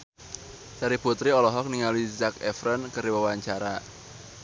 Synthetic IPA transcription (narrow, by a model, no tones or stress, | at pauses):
t͡ʃaɾiput̪ɾiɔlɔɦɔk̚niŋaluizakɛfɾənkəɾiwəwaɲt͡ʃaɾa